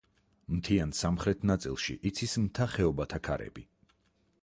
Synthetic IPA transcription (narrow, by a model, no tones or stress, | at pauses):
mt̪ʰiansamχɾɛt̪ʰnat̪sʼḭlˠʃḭʔit̪sʰismt̪ʰaχɛɔbat̪ʰakʰaɾɛ̰bi